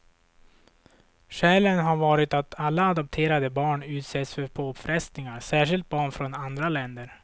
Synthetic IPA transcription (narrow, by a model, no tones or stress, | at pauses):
ʂɛːlənɦaɾvɑːɾɪt̪at̪ʰalːaːd̪ɔp̚t̪ʰeːɾad̪əbɑːɳʉ̟ːt̪sɛt̪sfœɾpʰopfɾɛst̪nɪŋaɾsæːʂ̬ɪlt̪̚bɑːɳfɾɔnand̪ɾalɛnd̪əɾ